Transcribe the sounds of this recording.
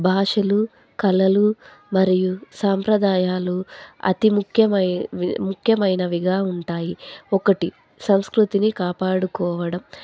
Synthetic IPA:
bʱaːʂɐlu | kɐlɐlumɐɾijusaːmpɾɐd̪aːjaːluɐ̰t̪imukʰjɐmɐmukʰjɐmɐjnɐʋiɡʱaːuɳʈaːjiɔkɐʈi | sɐmskɾut̪inikaːpaːɽukɔːʋɐɽɐm

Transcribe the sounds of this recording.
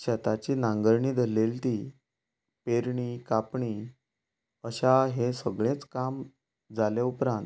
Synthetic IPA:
ɕɛt̪at͡ɕiːnãŋɡəɾɳiːd̪ʱəlelt̪iː | peɾɳiːkapɳiː | əɕaɦesəɡɭẽt͡skam | d͡zaleupɾãnt̪̚

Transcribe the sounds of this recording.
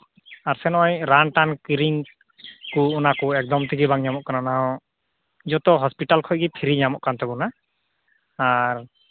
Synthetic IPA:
aɾsɛnɔjɾanʈankiɾiŋ | kuːnakɔɛk̚d̪ɔmt̪ʰiɡibaŋɲamɔʔkananaɔ̃ | id͡ʒɔt̪ɔɦɔspiʈalkʰɔɡɛpʰiɾiɲamɔʔkant̪ɛbɔna | ɾ

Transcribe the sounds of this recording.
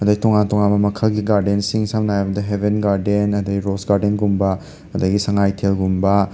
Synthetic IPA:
ɐdɐɡitɔŋantɔŋanmɐmɐkʰɐɡiɡaɾdensiŋsamnajbɐdɐɦebenɡaɾdenɐdɐɡiɾosɡaɾdenɡumbɐ | ɐdɐɡisɐŋajtʰelɡumbɐ

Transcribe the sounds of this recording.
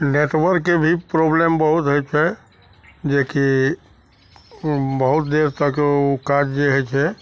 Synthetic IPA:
neːʈʋəɾkːebʱipɾoblembəɦut̪ɦojt͡ʃʰɛ | d͡ʒeki | bəɦut̪̚d̪eɾt̪əkokad͡ʒd͡ʒeɦojt͡ʃʰɛ

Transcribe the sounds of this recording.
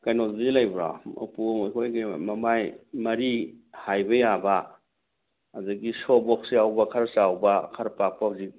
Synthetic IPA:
kajnozilajbɾa̰mɐ̰puɐkʰojɡimɐmajmɐɾihajbɐjabɐ | daɡisobok̚seawbɐkʰaɾɐsawbɐkʰaɾɐpak̚pɐhuzik̚

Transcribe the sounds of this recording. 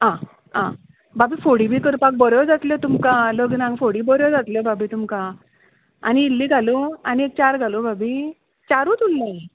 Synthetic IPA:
ɦã | ɦã | bʱabʱiːfoɽibʱiːkəɾpak̚bɔɾjɔd͡zat̪ljɔt̪umkaləɡnãŋɡfoɽiːbɔɾjɔd͡zat̪ljɔbabʱiːt̪umka | aniːlːiːɡʱaloaniek̚t͡ɕaɾɡʱalobʱabʱi | t͡ɕaɾuːt̪ulla

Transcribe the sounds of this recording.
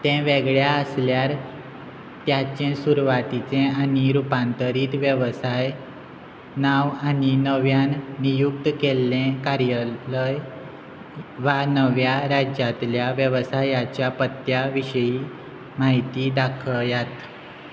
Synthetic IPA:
t̪ɛ̃ʋeɡɭjaəsljaɾ | t̪jat͡ɕẽsuɾuʋat̪it͡sẽañiɾupãnt̪əɾiːt̪ʋjəʋsaj | naʋaninəʋjanːijuk̚t̪kelːẽkaɾjələj | ʋanəʋjaɾad͡ʑjat̪ljaʋjəʋsajat͡ɕjapət̪jaʋiɕəjiː | maɦit̪iːd̪akʰəjat̪

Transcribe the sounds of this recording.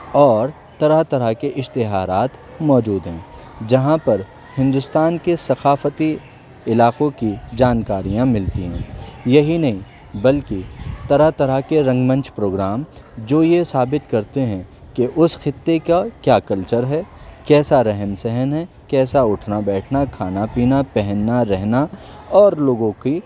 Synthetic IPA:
ɔːɾ | t̪ɐɾat̪ɐɾakeʔɪʃt̪ɪɦaːɾaːt̪ | mɔːd͡ʒuːd̪ɦɛ̃ː | d͡ʒɐɦãpɐɾ | hɪ̃nd̪ʊst̪aːnkesɐxaːfət̪i | ɪlaːqõkid͡ʒaːnkaːɾijãmɪlt̪iɦɛ̰̃ːjɐɦinɐɦĩ | bɐlkit̪ɐɾat̪ɐɾakeɾɐ̃ŋɡmɐ̃ɲt͡ʃpɾoːɡɾaːmd͡ʒoːjesaːbɪt̪kɐɾt̪eɦɛ̃ | keʔʊsxɪt̪ːekakjaːkɐlt͡ʃəɾɦɛkɛːsaɾɛɦənsɛɦənɦɛ | kɛːsaʊʈʰnabɛːʈʰnakʰaːnapiːnapɛɦɛnːaɾɛɦna | ɔːɾloːɡõki

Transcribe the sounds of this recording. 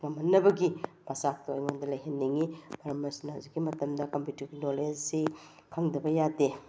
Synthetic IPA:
ɐmɐnːɐbɐɡibɐsatoojmondɐlɐjɦenːiŋib̥ɐɾɐmɐsnaziɡimɐtɐmdɐkomputiɡinoled͡ʒsi | kʰɐŋdɐbɐjade

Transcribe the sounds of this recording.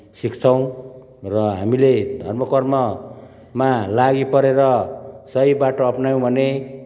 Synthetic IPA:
sikt͡sʰʌw̃ | rʌɦamiled̪ʱʌrmʌkʌrmʌ | malaɡipʌɾeɾʌsʌjbaʈoʌpnajũbʱʌne

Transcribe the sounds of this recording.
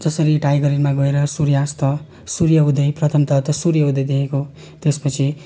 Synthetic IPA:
d͡zʌsʌɾiʈajɡʌɾinmaɡʌeɾʌsuɾijast̪ʰʌ | suɾjʌwd̪ʌjprʌt̪ʰʌmt̪ʌt̪ʌsuɾijʌwd̪ʌjd̪ekeko | t̪espʌt͡sʰi

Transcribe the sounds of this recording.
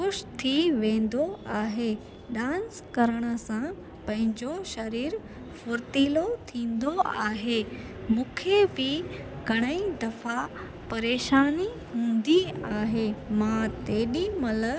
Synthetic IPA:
kʊʃt̪ʰiʋẽːn̆d̪oaːɦe | ɗãːns | kɐɾəɽ̃ə̆sã | pɐ̃ɦɪ̃ɲd͡ʑoʃɐɾiːɾ | fʊɾt̪iːlot̪ʰĩːn̆d̪oaːɦe | mũːkʰebɪɡʱɐɽ̃əĩd̪ɐfa | pɐɾeːʃaːni | ɦũːnd̪iaːɦemãt̪eːɗimɐlə

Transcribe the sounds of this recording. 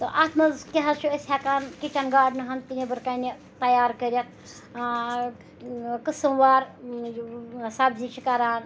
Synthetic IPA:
t̪oʔat̪ʰmɐzkʲeɦɐzt͡ʃʰuɐsʲʰakaːnkiʈɐnɡaːɖnɨɦɐnt̪inibɨɾkani | t̪ɐjaːɾkɐɾʲjɐk̪̚ | kɨsɨmʋaːɾ | sabzit͡ʃʰikaɾaːn

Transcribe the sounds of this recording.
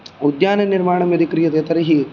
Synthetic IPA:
ud̪jaːnɐniɾmaːɳɐmjɐd̪ʱikɾijɐt̪eːt̪ɐɾɐɦi

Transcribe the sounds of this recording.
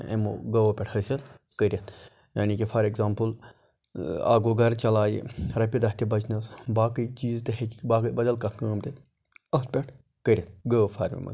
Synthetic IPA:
ḛmo̰ɡɐʋɐpʲɛʈʰhɐsɐt̪kəɾʲɐt̪ʰ | jaːnikefɐɾekzaːmpɨl | a̰ːɡoɡɐɾt͡ʃɐlaːjḭɾɐpid̪ɐɦt̪ibɐt͡ʃnɐsbaːkət͡ʃiːzt̪eɦekbaːkɐbɐd̪ɐlkɐkãːmt̪e | ɐt̪̚pʲeʈʰ | kəɾʲɐt̪̚ɡəʋɐfʰaːɾmḭmɐ̰

